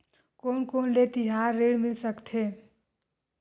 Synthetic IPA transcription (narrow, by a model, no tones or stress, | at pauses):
koːnkoːnlet̪ɪɦaːɾːeːɽmɪlsəkt̪ʰɦeː